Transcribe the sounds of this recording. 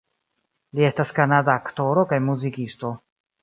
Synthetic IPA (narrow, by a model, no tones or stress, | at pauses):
lie̞staskanadaːkto̞ɾo̞kajmuzikisto̞